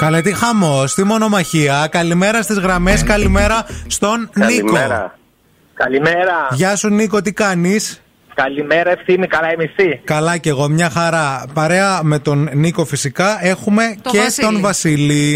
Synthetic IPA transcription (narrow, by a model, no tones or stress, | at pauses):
kɐlet̪ixɐmo̞st̪imo̞no̞mɐçiɐkɐlime̞ɾɐst̪izɣɾɐme̞skɐlime̞ɾɐst̪o̞nːikoɾ̰ | kɐlimeɾɐʝɐsuniko̞t̪̬ikɐnis | kɐlimeɾɐefθinikɐlɐemifθikɐlɐce̞ɣo̞mɲɐxɐɾɐpɐɾe̞ɐme̞t̪o̞nniko̞fisikɐe̞xume̞ce̞st̪o̞nvɐsili